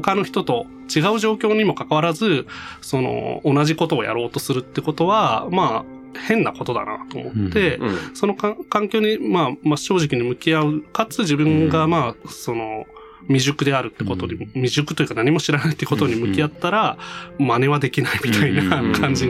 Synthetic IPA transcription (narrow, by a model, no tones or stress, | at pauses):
hokano̞çi̥t̪o̞t̪o̞ | t͡ɕiɡaɯ̟ʑo̞ːkʲo̞ːɲ̟imo̞kakaβaɾazɨso̞no̞̰ːnaʑiko̞t̪o̞ːjʔa̰ɾo̞ːt̪o̞sɨɾɯ̟t̪ːeko̞t̪o̞βamaː | hẽ̞nːako̞t̪o̞d̪a̰na̰t̪o̞̰ːmo̞t̪ːe̞so̞no̞kakãŋkʲo̞ːɲ̟imaːmaɕo̞ːʑikʲiɲ̟imɯ̟kʲiaɯ̟kat͡sɨʑibɯ̟̃ŋɡamaːso̞no̞ | mʲiʑɨkɯ̟d̪e̞aɾɯ̟t̪ːeko̞t̪o̞ɲimʲiʑɨkɯ̟t̪o̞jɯ̟kanaɲ̟imo̞ɕiɾanai̥t̪ːeko̞t̪o̞ɲimɯ̟kʲiat̪ːaɾamane̞βad̪e̞kʲinaimʲit̪ainakʰãɲ̟d͡ʑi